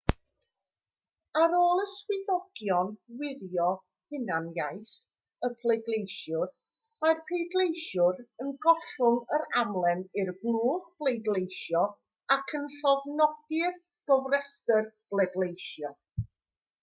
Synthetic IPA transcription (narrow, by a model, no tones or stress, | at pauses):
aɾoːlˠəswɪðɔɡ̥jɔnwɪðjɔ | hɪnanjaɨθ | əpʰlˠejdlˠejʃjʊr | marpʰedlˠejʃʊɾənɡɔɬʊŋəɾamlˠɛnɪrblˠuːχb̥lˠejdlejʃjɔ | akʰənɬɔvnɔd̥ɪr | ɡ̥ɔvrɛstərb̥lˠɛdlˠejʃjɔ